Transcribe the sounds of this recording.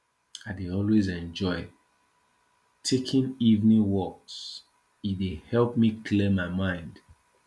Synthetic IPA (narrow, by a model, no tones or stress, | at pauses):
aɪdeɔlwezɛ̃nd͡ʒɔɪ | tʰekʰĩnivnĩwɔks | idehɛlˠpmikʰlimaɪmãɪ̃nd̥